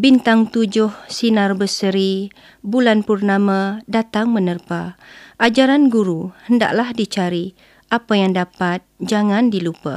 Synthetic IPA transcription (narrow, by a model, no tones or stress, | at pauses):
bint̪aŋt̪ud͡ʒʊhsinarbəsəɾi | bulanpurnamãdat̪aŋmənərpaʔad͡ʒaɾanɡuɾuhənda̰ʔlahdit͡ʃaɾi | ʔapajaŋdapat̪̚d͡ʒaŋãndilupa̰